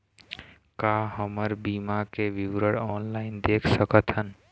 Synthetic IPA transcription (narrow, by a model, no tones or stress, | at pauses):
kaɦəməɾbiːmakeʋɪʋɾəɽɔːnlaːɪnd̪eːkʰsəkət̪ɦən